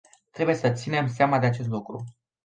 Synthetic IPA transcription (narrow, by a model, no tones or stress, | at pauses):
t̪ɾe̞buje̞sət̪sine̞mseamad̪eat͡ʃe̞s̬t̪lukɾṵ